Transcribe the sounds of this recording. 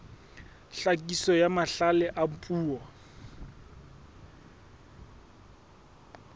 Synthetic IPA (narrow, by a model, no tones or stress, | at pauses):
ɬakʼisɔjamaɬalɛʔampʼuːɔ